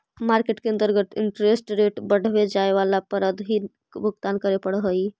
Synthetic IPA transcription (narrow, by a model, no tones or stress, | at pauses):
maɾkeʈkeənt̪əɾɡət̪iɳʈɾesʈɾeʈbəɽ̤ʱbed͡ʒaeʋalapəɾəd̪ɦi | bʱəɡt̪ankəɾepəɽɦəj